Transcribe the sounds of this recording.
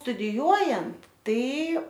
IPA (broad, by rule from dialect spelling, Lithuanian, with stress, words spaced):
stʊdʲɪˈjuɔjɛnt ˈtɐɪ